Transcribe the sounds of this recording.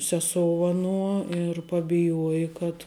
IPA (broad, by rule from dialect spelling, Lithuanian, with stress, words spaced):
sʲɛˈsoːʊ ɐˈnuɔ ɪr pɐbʲɪˈjuɔjɪ kɐt